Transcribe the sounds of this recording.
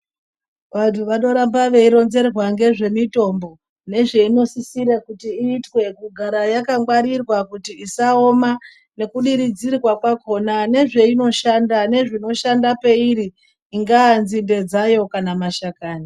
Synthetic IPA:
ʋantʰuʋaɗo̞ɾambaʋe̞iɾo̞nze̞rwaŋɡe̞ʐe̞mito̞mbo̞ | ne̞ʐe̞ino̞sisiɾakutiiːtwe̞kuɡʱaɾajakaŋɡwaɾirwakutiisao̞ma | ne̞kuɗiɾid͡zirwakwako̞nane̞ʐe̞ino̞ʃandane̞ʐino̞ʃandape̞iɾiː | ŋɡaːnzinde̞d͡zajo̞kanamaʃakaːni

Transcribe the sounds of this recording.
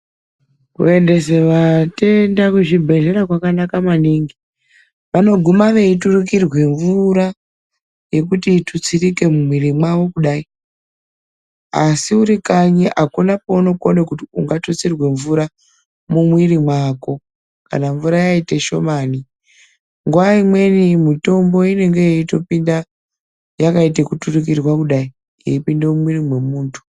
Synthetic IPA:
kṵe̞nde̞se̞ʋate̞ndakuʐibʱe̞ʒe̞ɾakwakanakamaniŋɡi | ʋano̞ɡʱumaʋe̞ituruk̬irwe̞ɱvuɾa | je̞kutitut͡sirike̞mumwirimwaʋo̞kuɗai | a̰siuɾikaɲiʔakunapo̞no̞konekutiuŋɡatot͡sirwe̞ɱvuɾa | mumwirimwaːko̞ | ka̰naɱvuɾajaite̞ʃo̞maːni | ŋɡuaimwe̞nimito̞mbo̞ine̞ŋɡe̞jeito̞pinda | jakaitekuturik̬irwakuɗai | jeipindemumwirimwemuːntʰu̥

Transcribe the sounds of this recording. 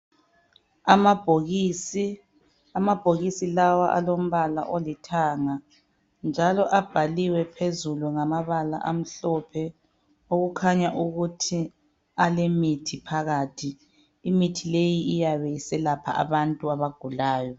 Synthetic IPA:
amab̥ʱoɣisi | amab̥ʱoɣisilawaʔa̰lom̩βala̰ʔolitʰaŋa | nd͡ʒʱalɔʔab̥ʱaliwɛpʰezuluŋamaβala̰ʔa̰m̩ɬɔpʰɛ | oɣukʰaɲaʔuɣutʰi | alemitʰipʰaɣaːtʰiː | mitʰilejiijaβejisɛlapʰaʔa̰βantʼuaβaɡ̥ʱulaːjɔ

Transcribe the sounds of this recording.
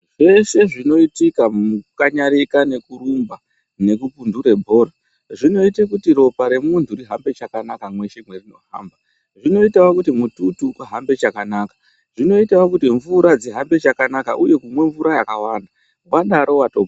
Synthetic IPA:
ʐe̞se̞ʐino̞itikamukaɲaɾikane̞kuɾumba | ne̞kupunduɾe̞bʱo̞ːɾa | ʐino̞itekutiɾo̞paɾe̞muntʰuriɦambe̞t͡ʃakanakamwe̞ʃe̞mwerino̞ɦa̰mba | ʐino̞itawokutimututukuɦambe̞t͡ʃakanakḁ | ʐ̥ino̞itawokutiɱvuɾad͡ziɦambe̞t͡ʃakanakaʔuje̞kumwe̞ɱvuɾajakawaːnda | waɗaɾo̞wato

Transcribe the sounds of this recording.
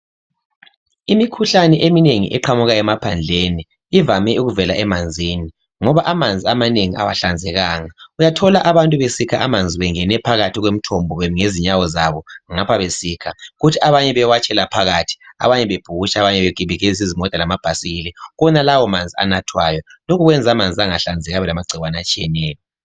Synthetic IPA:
imikʰuɬanɛʔemineŋḭʔɛ̰ǃʰamuɣajɛmapʰand͡ɮʱeni | ivamɛuɣuvɛlaʔɛmand͡zʱiːni | ŋɔβaʔamand͡zʱiamaneŋiʔa̰waɬand͡zʱɛɣaːŋaujatʰɔlaʔaβantʼuβesikʰaʔamand͡zʱiβɛŋɛnɛpʰaɣatʰiɣwem̩tʰɔmbʱɔweŋeziɲawɔzaβɔŋapʰaβesiːkʰaɣutʰiaβaɲɛβɛwat͡ʃʼɛlapʰaɣatʰi̥a̰βaɲɛβeb̥ʱuɣuʃaaβaɲɛβeɡ̥ʱiβʱiɣɛzis̬izimɔd̥ʱʼalamab̥ʱasiɣilɛɣɔnalawɔmand͡zʱia̰natʰwajɔlokʰuɣwɛnd͡zʱamand͡zʱiaŋaɬand͡zʱɛɣaβɛlamaɡ͡ǀʱiwanat͡ʃʼijɛnɛːjɔ

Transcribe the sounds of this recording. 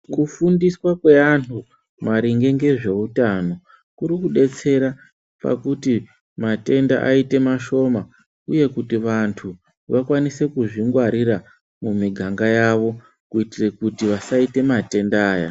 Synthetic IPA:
kufundiswakwe̞antʰu | maɾiŋɡe̞ŋɡe̞ʐe̞utano̞ | kuɾikuɗe̞t͡se̞ɾa | pa̰kuti | mate̞nda̰ʔaite̞maʃo̞ma | uje̞kutiʋantʰu | ʋakwanise̞kuʐiŋɡwaɾiɾa | mumiɡʱaŋɡajaʋo̞ | kuitire̞kutiʋasaite̞mate̞ndaːja̰

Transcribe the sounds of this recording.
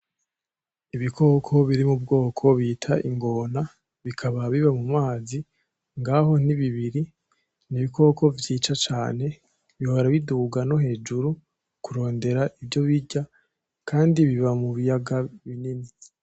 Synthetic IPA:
iβikʰo̞ːkʰo̞βiɾimub̚ɡo̞ːkʰo̞βiːtʰaʔiŋɡo̞ːna | βikʰaβaβiβamumaːzi | ŋɡaɦo̞niβiβiɾi | niβiko̞ːkʰo̞vjiːt͡ʃat͡ʃaːne̞ | βihoɾaβiduːɡano̞ɦe̞ːd͡ʒuɾu | kuɾo̞ːnde̞ɾaʔivjo̞βiɟa | kʰaːndiβiβamuβijaɡaβinini

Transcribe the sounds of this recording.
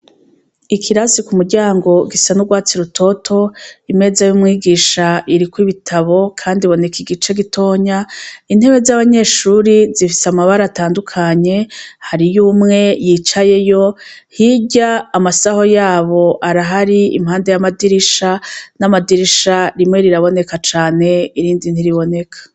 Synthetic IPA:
ikʰiɾasikumuɾɟaːŋɡo̞ɡisanuɡwaːt͡siɾutʰo̞tʰo̞ime̞zajumŋiːɡiːʃaʔiɾikwiβitʰaβo̞kʰaːndiβo̞ne̞kiɡit͡ʃe̞ɡitʰo̞ːɲain̥he̞βe̞zaβaɲe̞ːʃuːɾizifi̥samaβaɾaːtaːndukʰaɲe̞haɾijuːmŋe̞jiːt͡ʃaje̞jo̞hiɟaːmasaho̞jaːβo̞ʔaɾaɦaɾiḭmhaːndejamadiɾiʃanamadiɾiʃaɾimŋe̞ɾiɾaβo̞ne̞kat͡ʃaːne̞iɾiːndin̥iɾiβo̞ne̞kʰḁ

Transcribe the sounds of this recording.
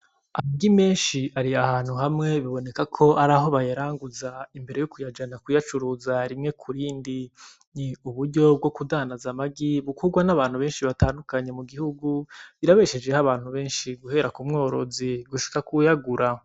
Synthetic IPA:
amaɡime̞ːnʃiaɾiahaːn̥huɦamŋe̞βiβo̞ne̞kakʰo̞aɾaɦo̞βajeɾaːŋɡuzaimbe̞ɾe̞jukujad͡ʒanakujat͡ʃuɾuːzaɾimŋe̞kʰuɾiːndi | niuβuɾɟo̞b̚ɡo̞kudaːnazamaɡiβukuɡwanaβaːn̥huβeːnʃiβataːndukaɲe̞muɡihuɡuβiɾaβeʃe̞d͡ʒe̞haβaːn̥huβe̞ːnʃiɡuhe̞ɾakumŋo̞ːɾo̞ziɡuʃi̥kakujaɡuɾa

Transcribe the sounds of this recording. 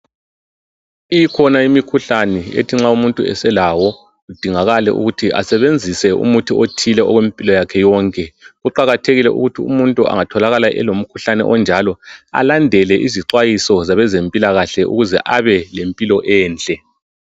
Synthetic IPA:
ijikʰɔnaimikʰuɬanɛḛtʰiŋ͡ǁaumuntʼuɛ̰sɛlawɔ | ɣud̥ʱiŋaɣalɛʔṵɣutʰiʔa̰sɛβend͡zʱisɛṵmutʰiotʰilɛɔɣwempʼilɔjakʰɛjɔŋkʼɛɣuǃaɣatʰeɣilɛʔṵɣutʰiṵmuntʼua̰ŋatʰɔlaɣalaʔɛ̰lom̩kʰuɬanɛ̰ʔɔnd͡ʒʱalɔa̰landʱɛlɛʔiziǀwajisɔzaβɛzempʼilaɣaɬɛʔṵɣuzɛ̰ʔaβɛlempʼilɔʔɛːnt͡ɬʼɛ

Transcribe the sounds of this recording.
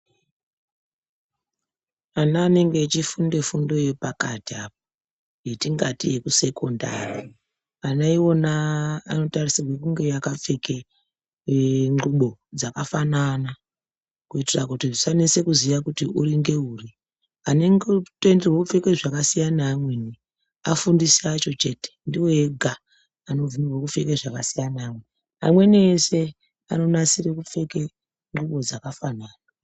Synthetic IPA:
anaːne̞ŋɡet͡ʃifunde̞fundo̞je̞pakatiap̚o | jetiŋɡatije̞kuse̞ko̞nda̰ri | anaiwo̞naːno̞tarisirwekuŋɡe̞jakap͡feke̞ | ŋuɓo̞d͡zakafanana | kuitirakutisanese̞kuziʋakutiʔuɾiŋɡe̞uri | aneŋɡtenderwekup͡fe̞ke̞ʐakasijanaːmweni | afundisiat͡ʃo̞t͡ʃe̞ːte̥ndiwoeɡʱa | ano̞vunirwekufe̞ke̞ʐakasijanaːmwe̞ | a̰mwe̞neːse̞ | a̰no̞nasire̞kup͡fe̞ke̞ | ŋɡuɓo̞d͡zakafanaːna

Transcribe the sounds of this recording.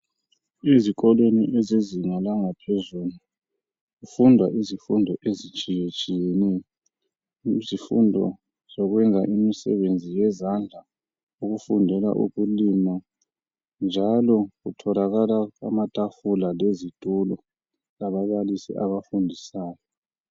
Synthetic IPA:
eziɣʼɔleniʔeziziŋalaŋapʰezulu | ɣufundʱwaʔizifundʱɔʔezit͡ʃʼijet͡ʃʼijɛnɛjɔ | zifṵndʱɔ̰ | z̥ɔɣwɛnd͡zʱaʔimisɛ̰βend͡zʱijɛzand͡ɮʱa | uɣufundʱɛla̰ʔṵɣulima | nd͡ʒʱalɔɣutʰɔlaɣalaamatʼafulalezid̥ʱulɔ | aβaβalisḭʔaβafundʱisaːjɔ

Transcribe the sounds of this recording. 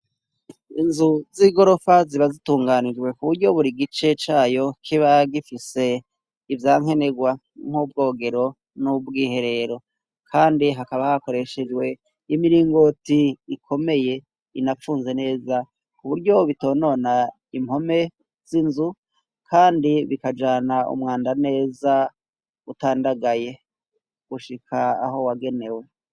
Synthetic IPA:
inzuziɡo̞ɾo̞faziβazituːŋɡanid͡ʒɡwe̞kuβuɾɟo̞βuɾiɡit͡ʃe̞t͡ʃaːjo̞kʰiβaɡifise̞ | ivjaːŋ̥e̞ne̞ɡwa | ŋ̥hub̚ɡo̞ːɡe̞ɾo̞ | nubɡiːhe̞ɾe̞ɾo̞ | kʰaːndiɦakaβahako̞ɾe̞ʃe̞d͡ʒwe̞ | imiɾiːŋɡo̞tiikʰo̞me̞je̞ | inafuːnze̞ne̞ːza | kuβuɾɟo̞βito̞ːno̞na | imho̞me̞ | z̥inzu | kʰaːndiβikad͡ʒaːnaṵmŋaːndane̞ːza | utaːndaɡaje̞ | ɡ̥uʃikʰaːɦo̞waɡe̞ne̞we̞

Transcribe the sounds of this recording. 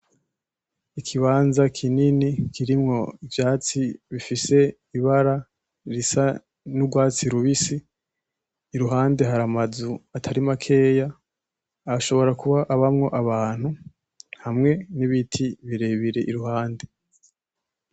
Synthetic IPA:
ikʰiβaːnzakʰininikiɾimŋo̞ivjaːt͡siβifise̞ | iβaɾa | ɾisa | nubɡwaːt͡siɾuβisi | ɾuɦaːnde̞ɦaɾamazuatʰaɾimakʰe̞ːja | aʃo̞βo̞ɾakuβaʔaβamŋo̞ʔaβaːn̥hu | hamŋe̞niβitʰiβiɾe̞βiɾe̞ʔiɾuhaːnde̞

